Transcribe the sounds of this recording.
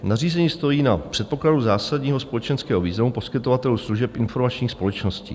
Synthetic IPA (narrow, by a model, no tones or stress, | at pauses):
nariːzɛɲiːst̪o̞jiːnapr̝̥ɛt̪̚po̞kladuzaːsadɲiːɦospo̞lɛt͡ʃɛnskɛːɦo̞viːznamupo̞skɪt̪o̞vat̪ɛlusluʒɛpʔɪnfo̞ɾmat͡ʃɲiːxspo̞lɛt͡ʃno̞scḭː